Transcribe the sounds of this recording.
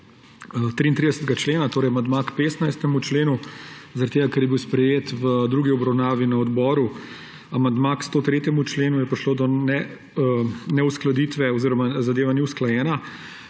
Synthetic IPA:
t̪ɾiːnt̪ɾid̪ɛsət̪ɛɡat͡ʃleːnat̪oːɾɛjamand̪makpeːsnajst̪ɛmut͡ʃleːnuzɐaɾad̪t̪eːɡakɛɾjɛbiwspɾɛjeːt̪ʋəd̪ɾuɡiɔbɾawnaːʋinɐɔd̪bɔːɾu | amand̪makst̪oːt̪ɾeːt̪jɛmut͡ʃleːnujɛpɾiʃloːd̪ɔnɛ | nɛusklad̪iːt̪ʋɛɔziɾɔmazad̪eːʋaniwsklajɛːna

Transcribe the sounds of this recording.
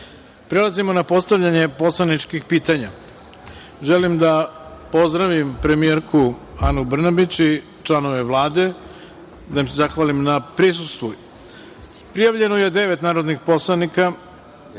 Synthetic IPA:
pɾe̞lˠazimo̞napo̞st̪aʋʎaɲe̞po̞slˠanit͡ʃkixpiːt̪aɲa | ʒelimd̪apo̞zd̪ɾaʋimpɾe̞mieɾkʰuanubr̩nabit͡ɕi | t͡ʃlˠano̞ʋe̞ʋlˠaːd̪e̞ | d̪aimsezaxʋalimnapɾis̬ust̪ʋu | pɾijaʋʎe̞nojed̪e̞ʋe̞t̪naːɾo̞d̪nixpo̞slˠanika

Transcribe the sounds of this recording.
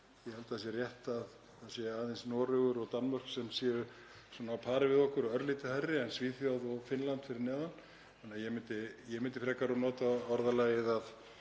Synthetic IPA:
jɛhɛlt̪aðsjɛrjɛht̪að | aðsjɛaːðɪnsnɔːɾʏɣʏɾɔɣt̪anːmar̥ksɛmsjɛːʏ | sɔːnaːwpʰaːɾɪvɪðɔhkʏɾɔœɾliːt̪ɪharːɪɛnsviːθjawðɔɣfɪnlant̪fɪɾɪɾnɛːðan | anːajɛmɪnt̪ɪjɛmɪnt̪ɪfɾɛkaɾɔnɔːt̪aɔɾðalaːjɪðað

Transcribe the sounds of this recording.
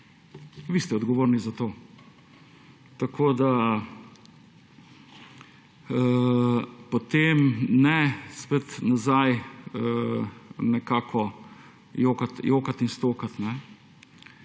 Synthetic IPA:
ʋiːst̪ɛɔd̪ɡɔʋoːɾnizat̪oː | t̪ɐkʰoːd̪a | pɔt̪emnɛspet̪nazajə | nɛkaːkʰɔ | joːkat̪joːkat̪inst̪oːkat̪nɛ

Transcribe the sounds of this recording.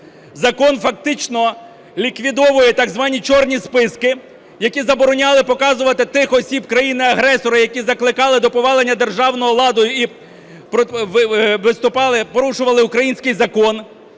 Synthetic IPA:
zɐkɔnfɐk̚t̪ɪt͡ʃnɔ | lʲikʋʲid̪ɔʋʊjɛt̪ɑɡzʋɑnʲit͡ʃɔrnʲispɪskɪ | jɐkʲizɐbɔɾɔnʲɑlˠɪpɔkɑzʊʋɐt̪ɪt̪ɪxɔsʲibkɾɐjinɪɐɦɾɛsɔɾɐjɐkʲizɐklˠɪkɑlˠɪd̪ɔpɔʋɑlˠenʲːɐd̪e̞rʒɑwnɔɦɔlˠɑd̪ɔjʊi | pɔʋʋɪst̪ʊpɑlˠɪpɔɾuʃʊʋɐlˠɪʊkɾɐjinʲsʲkɪjzɐkɔn

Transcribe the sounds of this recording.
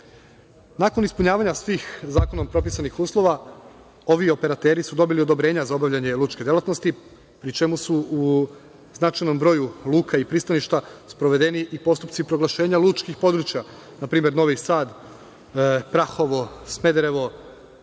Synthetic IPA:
nako̞nispuɲaːʋaɲasʋiːxzaːko̞nompɾo̞p̬isanixuːslˠo̞ʋa | o̞ʋio̞pe̞ɾat̪e̞ːɾisud̪o̞bilio̞d̪o̞bɾe̞ːɲazaobaʋʎaɲe̞luːt͡ʃked̪e̞lˠat̪no̞st̪i | pɾit͡ʃe̞musuu | znat͡ʃajno̞mbɾo̞julˠuːkʰaipɾiːst̪aniʃt̪aspɾo̞ʋe̞d̪e̞niʔipo̞st̪upt̪sipɾo̞ɡlˠaʃe̞ːɲalˠuːt͡ʃkixpo̞d̪ɾuːt͡ʃja | napɾiːme̞ɾno̞ʋisaːd̪ | pɾaxo̞ʋosme̞d̪ɾeʋo̞

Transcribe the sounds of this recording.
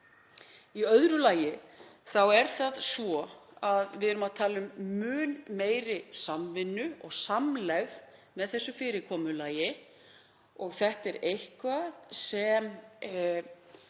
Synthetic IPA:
iœðɾʏlaːjɪθawɛɾ̥θaðsvɔaðvɪðɛɾʏmaðt̪ʰaːlʏmːʏːnmeːjɾɪsamvɪnːʏɔɣsamlɛɣðmɛðθɛsːʏfɪːɾɪkʰɔːmʏlaːjɪ | ɔɣθɛht̪ɛɾejhkvaðsɛm

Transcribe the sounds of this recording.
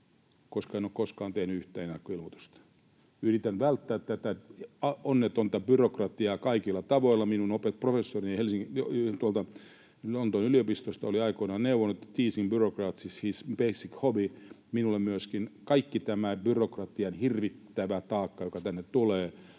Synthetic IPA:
koskɑeinoːkkoskɑːnt̪ehnyyht̪ˑæːnenːɑkːoilmot̪u̥st̪ɑ̥ | yrit̪ænʋælt̪ːæːt̪t̪æt̪æɑonːet̪ont̪ɑbyrokrɑt̪iɑːkɑikilːɑt̪ɑʋoilːɑminunopet̪̚profesːorinɑhelsiŋot̪uɑlt̪ɑ | lont̪onyliopist̪ost̪ɑoliɑikoinɑneuʋonːet̪ːt̪iːsimbyrokrɑːt̪sishisb̥eisikhobi | minulːemmyøskinkɑikːit̪æmæbyrokrɑt̪iɑnhirʋit̪ːæʋæt̪ɑːkːɑjokɑt̪ænːet̪t̪uleː

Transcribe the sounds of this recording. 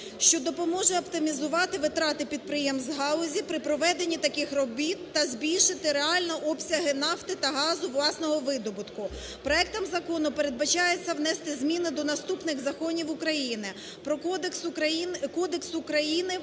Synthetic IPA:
ʃt͡ʃɔd̪ɔpɔmɔʒɛɐpt̪ɪmʲizʊʋɑt̪ɪʋɪt̪ɾɑt̪ɪpʲid̪̚pɾɪjɛmzɦɑlˠɔzʲipɾɪpɾɔʋɛd̪enʲːit̪ɐkɪxrɔbʲit̪ːɐzʲbʲilʲʃɪt̪ɪɾeɑlʲnɐʔɔpsʲɐɦɪnɑft̪ɪt̪ɐɦɑzʊʋlˠɑsnɔɦɔʋɪd̪ɔbʊt̪kʊ | pɾɔɛk̚t̪ɐmzɐkɔnʊpeɾed̪̚bɐt͡ʃɑjet͡sʲːɐwn̪ɛst̪ɪzʲmʲinɪd̪ɔnɐst̪upnɪɣzɐkɔnʲiwʊkɾɐjinɪ | pɾɔkskɔd̪eksʊkɾɐjinɪ

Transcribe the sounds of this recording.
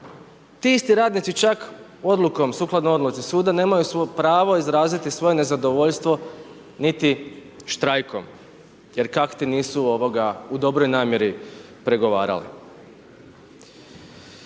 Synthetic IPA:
t̪iist̪iɾaːd̪nit̪sit͡ʃak | o̞d̪luko̞msuːklˠad̪nojo̞d̪lut̪sisuːd̪ane̞ːmajusopɾaːʋo̞izɾaːzit̪isʋo̞je̞ne̞zad̪o̞ʋo̞ʎst̪ʋo̞ | nit̪i | ʃt̪ɾajko̞m | je̞ɾkakt̪iniːsuo̞ʋo̞ɡaud̪o̞bɾojnaːmje̞ɾi | pɾe̞ɡo̞ʋa̰ːɾa̰lḭ

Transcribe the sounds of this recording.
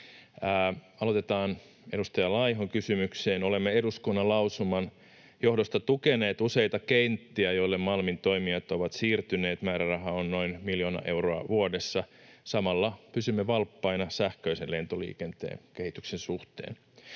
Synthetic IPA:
æːɑlo̞t̪et̪ɑːn | e̞ɾust̪ɑjɑlɑjɦoŋkysymykseːnole̞mːeeduskunːɑlɑwsumɑn | jo̞hdost̪ɑt̪ukene̞ːt̪use̞jt̪ɑkeint̪ːiæjo̞ilːemmɑlmint̪o̞imiɑt̪oʋɑt̪siːrt̪yne̞ːt̪mæːɾærɑɦɑonnoinmiljo̞nɑ̰ʔe̞wroɑʋuodesːɑsɑmɑlːɑpysymːeʋɑlpːɑinɑsæhkøiselle̞nt̪olḭːkent̪ḛːnke̞hit̪yksensuht̪ḛːn

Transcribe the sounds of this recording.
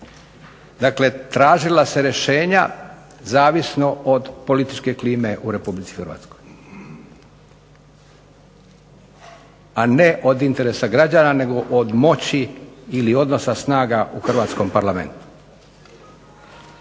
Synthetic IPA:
d̪akle̞t̪ɾaːʒilase̞ɾe̞ʃe̞ːɲa | zaːʋisno̞od̪po̞lit̪it͡ʃke̞kliːme̞ʔuɾe̞publit̪si̥xrɾʋa̰ːt̪sko̞j | ane̞ʔod̪int̪e̞ɾe̞saɡɾad͡ʑanane̞ɡo̞ʔod̪mo̞t͡ɕiːlio̞d̪no̞sasnaːɡaʔuxrʋaːt̪sko̞mpaɾlame̞̰nt̪u̥

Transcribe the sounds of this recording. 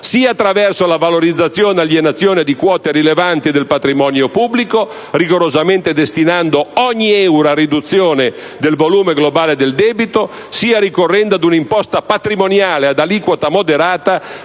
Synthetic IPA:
siːaːt̪ːɾavɛrsolavaloɾid̪zːat̪sːjoːnaljenat̪sːjoːned̪ikwɔːt̪eɾilevant̪id̪elpat̪ɾimɔːnjopubliko | riɡoɾozament̪ed̪est̪inand̪oɔɲːiɛwɾaɾid̪ut̪sːjoːne | d̪elvoluːmeɡlobaːled̪eld̪ɛːbit̪o | siːaɾikorːɛnd̪ad̪unimpɔst̪apat̪ɾimonjaːlead̪aliːkwot̪amod̪eɾaːt̪a

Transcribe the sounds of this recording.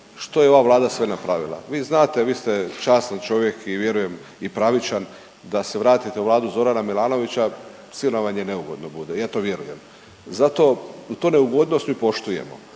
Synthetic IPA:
ʃt̪o̞jeo̞ʋaʋlˠaːd̪asʋe̞napɾaʋilˠa̰ʋiːznaːt̪e̞ʋiːst̪et͡ʃaːsant͡ʃo̞ʋjekʰiʋje̞ɾuje̞m | ipɾaʋit͡ʃan | d̪ase̞ʋɾaːt̪it̪e̞uʋlaːd̪uzo̞ɾanamilˠaːno̞ʋit͡ɕa | sinoʋaɲene̞uɡo̞̰d̪no̞bud̪ejaːt̪oʋje̞ɾuje̞m | zat̪o̞ut̪oːne̞uɡo̞d̪nost̪miːpo̞ʃt̪ujḛmo̞̰

